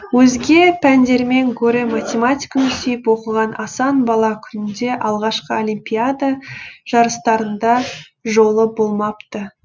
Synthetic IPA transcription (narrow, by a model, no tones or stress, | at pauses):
wɵzɡʲe̞pʰænd̪e̞ɾme̞ŋɡʰoɾe̞mat̪ʲe̞mat̪ʲijkɑnʏsejɪpwo̞qəʁɑnʔɑsɑnbɑlˠɑkʲʰʏnɪnd̪e̞ʔɑlˠʁɑʃqəolʲimpʲijad̪aʒ̥ɑɾəst̪ɑɾənd̪ɑ | ʒo̞lˠəbo̞lˠmɑpt̪ə